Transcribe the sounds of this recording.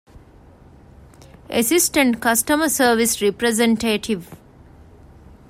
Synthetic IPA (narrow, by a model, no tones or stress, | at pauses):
ʔḛsisʈə̃ɳʈkɐsʈəməsəːɾʋisɾepɾezẽɳʈeːʈʰiʋ